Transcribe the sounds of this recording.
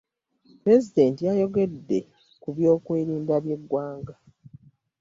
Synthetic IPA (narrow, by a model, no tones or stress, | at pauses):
pɾe̞zide̞ntijajo̞ɡe̞dːe̞̰ | kuβjo̞ːkweːɾiːmbaβje̞ɡwaːŋɡa